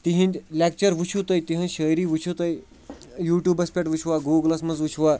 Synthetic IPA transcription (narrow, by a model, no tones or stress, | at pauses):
t̪iɦĩnlʲak̚t͡ɕəɾʋut͡ɕʰut̪əjt̪iɦə̃nɕəjɾiːʋut͡ɕʰut̪əj | juːʈjuːbɐspʲeʈʋut͡ʃʰʋaɡuɡlɐsməd͡zʋut͡ɕʰʋa